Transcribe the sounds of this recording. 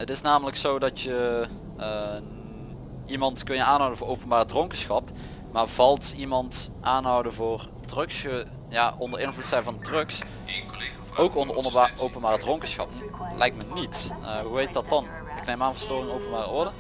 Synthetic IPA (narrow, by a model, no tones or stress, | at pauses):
ətɪsnaːmələksowdɑtjə | ə | imɑntkɵnjəaːnɦɔwdəvʊːɹʔowpənbaːrədroŋkəsxɑp | maːɹvɑlˠtimɑntʔaːnɦʌwdəvoːr | drɵksə | jaːʔɔndəɹɪnvlutsɛjnvɑndrɵks | owkɔndənəaʔowpənbaːrədroŋkəsxɑ̰pnlɛ̰jk̚tmənitəɦuɦejt̚dɑt̚ɑn | ɪknejmaːnvəɹstoːrɪŋowpənbaːrə̰ʔʊɹdə